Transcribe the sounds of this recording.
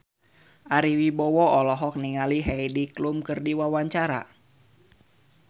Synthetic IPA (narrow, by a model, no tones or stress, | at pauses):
ʔaɾiwibɔwɔɔlɔɦɔk̚niŋaliɦɛidiklumkɨrdiwawaɲt͡ʃaɾa̰